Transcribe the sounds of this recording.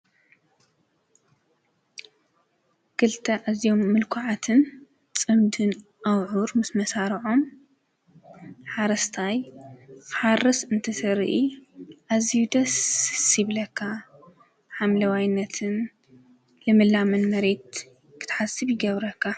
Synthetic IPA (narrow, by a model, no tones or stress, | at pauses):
kɨlt̪ʰɐʔazijomːɨlkʰoʕat̪ʰɨn | t͡sʼɨmd̪ɨn | ʔawʕuɾmɨsmɐsaɾiʕo̞m | ħaɾɐst̪ʰaj | ħarɨsɨnt̪ʰɨsɐɾʔiʔazijud̪ɐssiβlɐkʰːa | ħamlɐwajnːɐt̪ʰɨn | lɨmɨlamɨnmɐɾe̞t̪̚ | kʰɨ̥t̪ʰħasɨβjɪɡɐβɾɐkʰːa